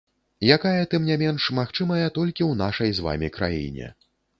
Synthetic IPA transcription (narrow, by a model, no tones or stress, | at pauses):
jakajɐt̪ɨmnʲamʲɛnʂmaxt͡ʂɨmɐjɐt̪ɔlʲkʲiwnaʂɐjzva̰mʲikɾa̰jḭnʲɛ̰